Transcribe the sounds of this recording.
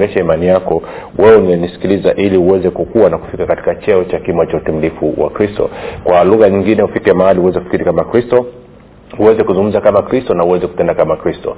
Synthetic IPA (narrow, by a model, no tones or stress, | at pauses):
nɛʃaimanijakɔ | wɛuniɛnisi̥kilizaʔiliuwɛzɛkukuwanaku̥fikakati̥kat͡ʃɛɔt͡ʃakimat͡ʃautimilifuwa̰kɾistɔ̰kwaluɣaɲiŋɡinɛufikɛmahaliuwɛzɛhkufi̥kiɾikamakɾistɔ | huwɛzɛkuzuŋɡum̩zakamakɾistɔnauwɛzɛkutɛndakamakɾistɔ̰